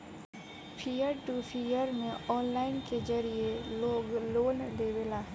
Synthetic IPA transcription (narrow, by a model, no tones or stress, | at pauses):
pʰijəɾʈupʰijəɾmẽɔːnlaːɪnked͡ʒɐɾijeloːɡloːnd̪eːʋelaːɦ